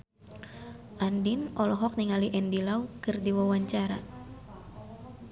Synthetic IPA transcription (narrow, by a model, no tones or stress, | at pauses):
ʔandinɔlɔɦɔk̚niŋaliʔɛndilawkɨrdiwawaɲt͡ʃaɾa̰